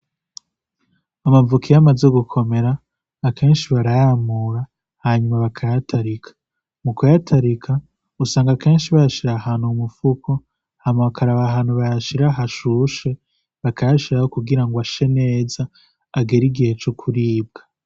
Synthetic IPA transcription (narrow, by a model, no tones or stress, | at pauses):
amavukijamazeɡukʰome̞ɾaː | kʰe̞ːnʃiβaɾajamuɾa | haɲumaβakʰajatʰaɾikʰḁ | mukujatʰaɾikʰa | usaːŋɡake̞ːnʃiβajaʃiɾahaːnhumufuko | hamaβakaɾaβaɦaːnhuβajaʃiɾaɦaʃuʃe̞ | βakʰajaʃiɾahokuɡiɾaŋɡwaʃe̞ne̞ːzaː | ɡeɾiɡihe̞t͡ʃokʰuɾiːb̚ɡ̥a